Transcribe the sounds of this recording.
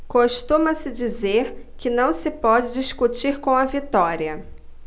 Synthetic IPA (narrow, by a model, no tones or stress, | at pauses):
koʃt̪ũmɐsɪd͡ʒizeɾkɪnɐ̃w̃sɪpɔd͡ʒɪd͡ʒiʃkut͡ʃiɾkõɐvit̪ɔɾiɐ